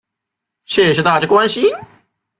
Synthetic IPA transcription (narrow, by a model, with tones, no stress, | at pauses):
ɕʰe˥˩˨ʂ̬ɻ̩˥˧t̪a˥˧˩ʈ͡ʂɤ˥˩kwa˥nɕi˧